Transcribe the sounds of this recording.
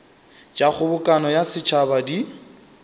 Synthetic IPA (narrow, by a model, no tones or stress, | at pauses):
d͡ʒak͡xʰʊbʊkʼanɔjasɪt͡ʃʰabadi